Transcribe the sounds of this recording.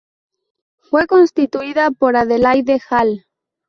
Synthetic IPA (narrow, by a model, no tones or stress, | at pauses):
fweko̞nst̪it̪uiðapo̞ɾaðelajðexal